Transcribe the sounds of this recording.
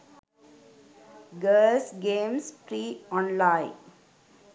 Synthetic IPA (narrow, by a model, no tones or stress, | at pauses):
ɡəːsɡẽːmspɾiːɔ̃ːnlãɪ